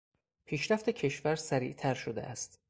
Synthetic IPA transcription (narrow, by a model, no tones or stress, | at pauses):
pʰiːʃɾæft̪ecʰe̞ʃvæɾsæɾḭːʔt̪ʰæɾʃod̪eʔæst̪